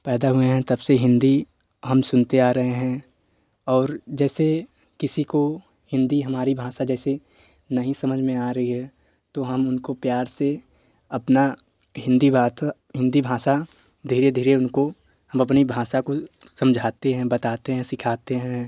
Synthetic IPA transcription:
pɛːd̪aɦʊeɦɛ̃t̪ɐbseɦɪ̃nd̪i | ɦɐmsʊnt̪eaːɾɐɦeɦɛ̃ | ɔːɾd͡ʒɛːse | kɪsiko | hɪ̃nd̪iɦɐmaːɾibʱaːsad͡ʒɛːse | nɐɦĩsɐməd͡ʒʱmẽaːɾɐɦiɦɛ | t̪oɦɐmʊnkopjaːɾse | ɐpna | ɦɪ̃nd̪ibʱaːt̪a | ɦɪ̃nd̪ibʱãːsa | d̪ʱiːɾed̪ʱiːɾeʊnko | hɐmɐp̬nibʱãːsako | sɐ̃md͡ʒʱaːt̪eɦɛ̃bɐt̪aːt̪eɦɛ̃sɪkʰaːt̪eɦɛ̃

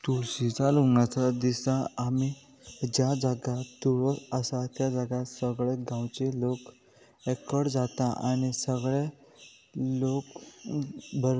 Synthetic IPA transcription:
t̪uɭsit͡saluŋat͡sad̪isãami | d͡ʑjad͡zaɡat̪ːuɭɔəsat̪jad͡zaɡasəɡɭeɡãwt͡ɕelok | ɛkəɽd͡zat̪aʔa̰ñisəɡɭe | lok | bəɾ

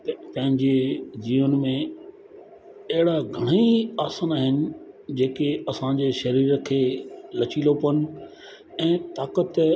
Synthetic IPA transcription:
pɐ̃ɦɪ̃ɲd͡ʑeziʋənɪ̆mẽ | ɦɪɽaɡʱɐɽ̃iiaːsaːnaːɦɪnɪ̆d͡ʑeːkeɐsãd͡ʑeːʃɐɾiːɾkʰeːlɐt͡ɕiːlopɐnɪ̆ | ɛ̃ːt̪aːkət̪

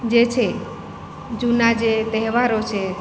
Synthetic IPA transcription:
d͡ʒet͡ʃʰe | d͡ʒunad͡ʒet̪ɛɦʋaɾot͡ʃʰe

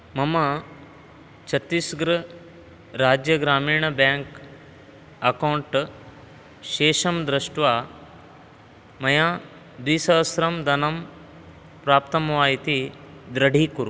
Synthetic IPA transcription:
mɐmɐ | t͡ʃʰɐt̪ːisɡɾɐ | ɾaːd͡ʒjɐɡɾaːmiːɳɐbjaːŋk | ɐkɐwɳʈ | ʃeːʃɐmd̪ɾɐʂʈʋaː | mɐjaː | d̪ʋiːsɐʋɐsɾɐmd̪ɐnɐm | pɾaːpt̪ɐmʋaːjit̪id̪ɾɐɽʱiːkuɾu

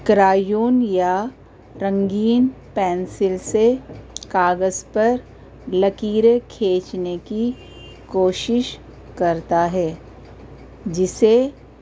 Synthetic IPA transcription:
kɾaːjuːnja | ɾə̃ŋɡiːn | pɛ̃ːnsɪlsekaːɡəzpɐɾ | lɐkiːɾekʰeːt͡ʃneki | koːʃɪʃ | kɐɾt̪aɦɛː | d͡ʒɪse

